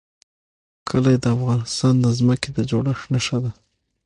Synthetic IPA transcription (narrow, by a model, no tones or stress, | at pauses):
kʰəlajed̪əafɣɑnɪst̪ɑnd̪əzməked̪əd͡ʒoɽəxnəʃad̪a